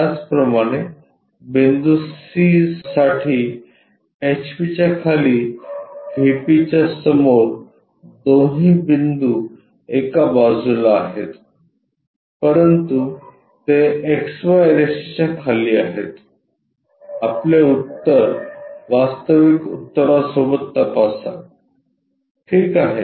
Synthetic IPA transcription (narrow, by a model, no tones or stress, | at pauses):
jat͡spɾəmaɽ̃e | bind̪usizsaʈʰiː | et͡ɕpit͡ɕjakʰaliːbʱipit͡ɕjasəmoɾ | d̪oɦĩːbind̪uː | ekabad͡zulaːɦḛt̪ | pəɾənt̪u | t̪eeksʋaɾesit͡ɕakʰaliːaɦḛt̪ | apleut̪ːəɾʋast̪əʋikṵt̪ːəɾasobət̪ːəpasa̰ | ʈʰiːkaɦe